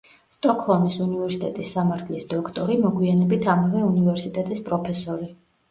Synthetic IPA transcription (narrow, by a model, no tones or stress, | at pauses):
st̪ʼɔkʰʼhɔlˠmisunivɛɾsit̪ʼɛt̪ʼisːamaɾt̪ʰlisd̪̥ɔkʰt̪ʼɔɾimɔɡwianɛbit̪ʰamavɛunivɛɾsit̪ʼɛt̪ʼispʼɾɔpʰɛsɔɾi